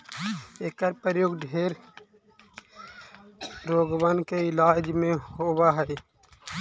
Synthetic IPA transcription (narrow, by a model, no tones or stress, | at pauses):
eːkəɾpəɾjoːɡɖʱeːɾ | ɾoːɡʋankeɪlaːd͡ʒmẽhoːwaɦɛe